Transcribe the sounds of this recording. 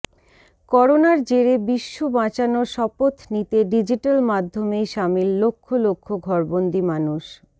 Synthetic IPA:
kɔɾonaɾd͡ʑeɾebiʃːobãt͡ɕanoʃɔpot̪nit̪eɖid͡ʑiʈalmad̪ʱːomejʃamilːokʰːolokʰːoɡʱɔɾbond̪imanuʃ

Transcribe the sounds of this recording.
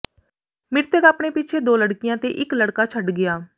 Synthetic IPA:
mɪɾt̪əɡaːpɳeːpit͡ʃʰeːd̪oːləɽkɪjãːt̪ḛːʔɪkləɽkaːt͡ʃʰəɖɡɪjaː

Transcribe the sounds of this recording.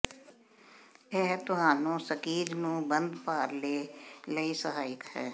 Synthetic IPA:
ɛːɦt̪ʊɦaːnõːsəkiːɾnũːbənd̪paːɾleːləiːsəɦaːɪkhɛ̰ː

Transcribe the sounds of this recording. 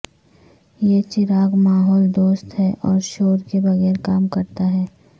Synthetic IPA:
jet͡ʃɪɾaːɡmaːɦɔːld̪oːst̪ɦɛʔɔːɾʃoːɾkebɐɣɛːɾkaːmkɐɾt̪aɦɛː

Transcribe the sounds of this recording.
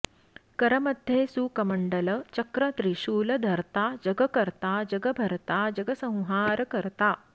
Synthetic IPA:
kɐɾɐmɐd̪ʱjeːsukɐmɐɳɖɐlɐt͡ʃɐkɾɐt̪ɾiʃuːlɐd̪ʱɐɾt̪aːd͡ʒɐɡɐkɐɾt̪aːd͡ʒɐɡɐbʱɐɾt̪aːd͡ʒɐɡɐsɐ̃w̃ɦaːɾɐkɐɾt̪aː

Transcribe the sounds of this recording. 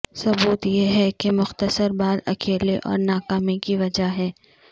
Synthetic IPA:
sɐbuːt̪jeɦɛkemʊxt̪əsəɾbaːlɐkʰeːleʔɔ̰ːɾnaːkaːmikiʋɐd͡ʒaɦɛː

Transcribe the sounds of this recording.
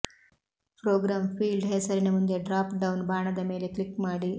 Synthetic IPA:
pɾoːɡɾaːmfiːlɖɦeːsɐɾinɐmund̪eɖɾaːpɖɐwnbʱaːɳɐd̪ɐmeːleklikːmaːɽi

